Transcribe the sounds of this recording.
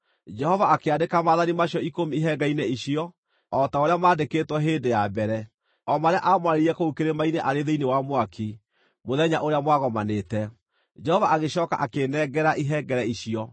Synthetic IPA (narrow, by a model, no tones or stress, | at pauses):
d͡ʒɛhɔvaːkeadekamaðanimaɕjɔikomiiɦɛɡaineiɕiɔ | ɔtaoɾeamaːdekeːtwɔɦeːndejabɛɾɛ | ɔmaɾeaʔamwaɾeɾiɛkoukeɾemaineʔaɾeðeinewamwakʰi | moðɛɲaʔoɾeamwaɣɔmanetɛ | d͡ʒɛhɔvaʔaɣeɕɔːka̰ʔakenɛɡɛɾaʔiɦɛɡɛɾɛiɕiɔ